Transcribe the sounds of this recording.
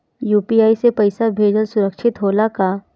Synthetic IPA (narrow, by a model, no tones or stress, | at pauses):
juːpiːaːisepɐɪsabʱeːd͡ʒəlsʊɾəkʃɪt̪ɦoːlaka